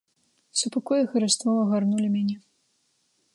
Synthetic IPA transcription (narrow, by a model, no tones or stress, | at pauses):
supakɔjɐxɐɾɨst̪vɔɐɣarnulʲimʲanʲɛ